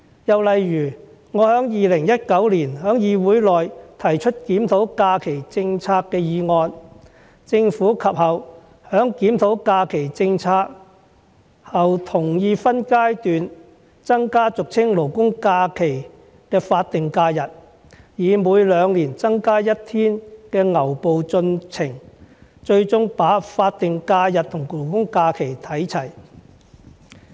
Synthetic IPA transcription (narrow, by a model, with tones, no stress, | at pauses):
jɐ˨wlɐ˨jɥyː˨˩ | ŋɔː˨˧hœː˨˥ŋjiː˨˧lɪ˨˩ŋjɐ˥t̚kɐ˨˥wliː˨˩nɦœː˨˥ŋjiː˧wuː˨˥jlɔː˨jt̪ʰɐ˨˩jt͡ʃʰɵ˥t̚kiː˨˥mt̪ʰo˨˥wkaː˧kʰe˨˩jt͡sɪ˧ŋt͡sʰaː˧kːɛː˧jiː˨˧ŋɔː˧n | t͡sɪ˧ŋfuː˨˥kʰɐ˨p̚hɐ˨w | hœː˨˥ŋkiː˨˥mt̪ʰo˨˥wkaː˧kʰe˨˩jt͡sɪ˧ŋt͡sʰaː˧k̚ | hɐ˨wt̪ʰʊ˨˩ŋjiː˧fɐ˥nkaː˥jt̪yː˨n | t͡sɐ˥ŋkaː˥t͡sʊ˨k̚t͡sʰɪ˥ŋlo˨˩wkʊ˥ŋkaː˧kʰe˨˩j | kɛː˧faː˧t̚t̪ɪ˨ŋkaː˧jɐ˨t̚ | jiː˨˧muː˨˧jlœː˨˧ŋliː˨˩nt͡sɐ˥ŋkaː˥jɐ˥t̚t̪ʰiː˥nkɛː˧ŋɐ˨˩wpo˨wt͡sɵ˧nt͡sʰɪ˨˩ŋt͡ʃɵ˧ɥt͡sʊ˥ŋpaː˨˥faː˧t̚t̪ɪ˨ŋkaː˧jɐ˨t̚t̪ʰʊ˨˩ŋlo˨˩wkʊ˥ŋkaː˧kʰe˨˩jt̪ʰɐ˨˥jt͡sʰɐ˨˩j